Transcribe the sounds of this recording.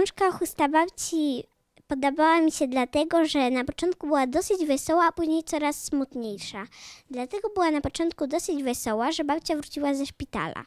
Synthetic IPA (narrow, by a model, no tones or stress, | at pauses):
ɔ̃ʂkaxust̪abapt͡ɕi | pɔd̪ɔbawamʲiɕɛd̪lat̪ɛɡɔʐɛnapɔt͡ʂɔnt̪̚kubɘwad̪ɔsɘd͡ʑvɛsɔwapuʑɲejt̪sɔɾasːmut̪ɲejʂad̪lat̪ɛɡɔbɘwanapɔt͡ʂɔ̃nt̪̚kud̪ɔsɘd͡ʑvɛsɔwaʐɛbap̚t͡ɕavɾut͡ɕiwazɛʂpʲit̪a̰la̰